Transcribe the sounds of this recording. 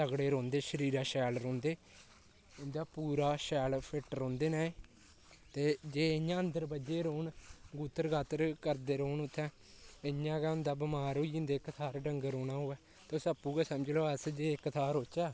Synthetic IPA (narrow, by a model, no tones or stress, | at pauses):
t̪əɡɽeːɾõːnd̪eːʃəɾiːɾaːʃɛːlɾõːnd̪eː | ʊnd̪aːpuːɾaːʃɛːlpʰɪʈɾõːnd̪eːnaːe | t̪eːd͡ʒeːɪjãːənd̪əɾbəd͡ʒeːɾoːnɡuːt̪əɾɡaːt̪əɾkəɾd̪eːɾoːnʊt̪ʰːɛ̃ː | ɪjãːkaːʊnd̪aːbɪmaːɾoːiənd̪eːkːət̪ʰaːɾɖəŋɡɾoːnaːɦoːɛː | t̪osəpːuːkɛːsəməd͡ʒloːəsd͡ʒeːɪkːət̪ʰaːɾoːt͡ʃaː